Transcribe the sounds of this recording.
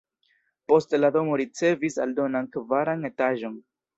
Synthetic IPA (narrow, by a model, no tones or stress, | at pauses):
po̞stlado̞mo̞ɾit͡se̞visa̰ldo̞nankvaɾane̞taʒo̞n